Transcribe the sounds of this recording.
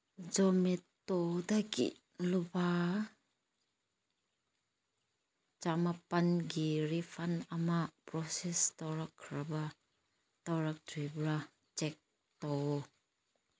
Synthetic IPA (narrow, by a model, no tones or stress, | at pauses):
d͡ʒɔmɛt̪ɔdakḭ | luba | t͡ʃamapanɡiɾifanamapɾɔsɛst̪ɔɾakʰːɾaba | t̪ɔɾak̚dibɾa | t͡ʃɛk̚ | t̪ɔ